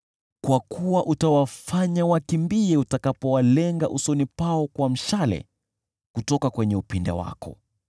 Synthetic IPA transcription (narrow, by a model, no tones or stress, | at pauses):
kwakuwaʔutawafaɲawakimbiɛutakapɔwalɛŋɡaʔusɔnipaɔkwam̩ʃalɛ̰ | kutɔkakwɛɲɛupinda̰wa̰kɔ̰